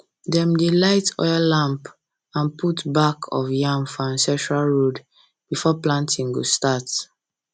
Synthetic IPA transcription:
dɛ̃mdelaɪtʰɔ̰jalãmp | ãnpʰutbakʰɔ̰fjãmfɔãnsɛ̃tɹalɹod | b̥ifɔplãntʰĩŋɡostat

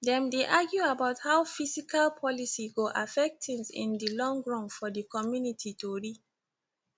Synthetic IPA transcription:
dɛ̃mdeʔaɡjuabaʊthaʊfizikʰalpʰɔlisiɡoʔafɛk̚ttĩŋsḭ̃ndilɔ̃ŋɡɹɔ̃nfɔdikɔmjunitʰitoɹi

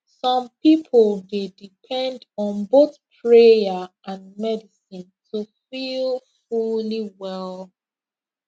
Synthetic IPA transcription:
sɔ̃mpipʰəlˠdedipʰɛ̃ndɔ̃nboθpʰɹejəʔãnmɛdisĩntʰufilˠfuliwɛl

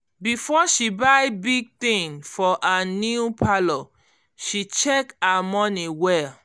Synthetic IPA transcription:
bifɔʃibajbiɡ̚t̪ĩŋfɔʔanjuupʰalɔ | ʃit͡ʃɛkamɔ̃niwɛl

